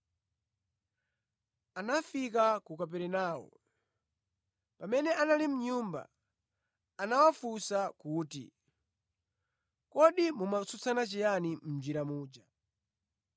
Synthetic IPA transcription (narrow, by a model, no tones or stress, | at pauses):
anafikakukap̬ɛɾɛnaːwɔ̰ | pamɛnɛʔanalim̩ɲumba̰ | anawafusakuːtḭ | kɔɗimumasut͡sʰanat͡ʃijanim̩d͡ʒiɾamuːd͡ʒa